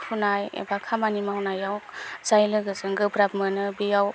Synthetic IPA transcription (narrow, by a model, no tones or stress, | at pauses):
hunaj̰bakʰamanimahunajawz̥ajlɯɡɯzɯŋɡɯbɾabmɯnɯbijaw